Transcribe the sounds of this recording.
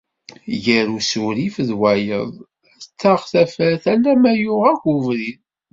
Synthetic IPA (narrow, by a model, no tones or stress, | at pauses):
jəɾusuɾifðwæjə̰ðˤ | æt͡sːɑʁθæfæθælːæmæjʊʁæʝuvɾin